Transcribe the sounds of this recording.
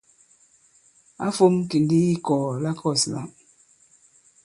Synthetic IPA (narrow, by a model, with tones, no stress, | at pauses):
a̰˦fo˦mki˨n˦di˦i˦kɔː˨la˦kʰɔ˦˨sna̰˨ʔ